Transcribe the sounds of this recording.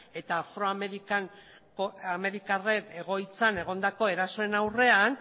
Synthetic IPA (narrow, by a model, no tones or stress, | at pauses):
e̞t̪aːfɾo̞ameɾikan | koame̞ɾikarene̞ɣ̞o̞jt͡sane̞ɣ̞o̞nd̪ako̞e̞ɾaso̞e̞nawre̞an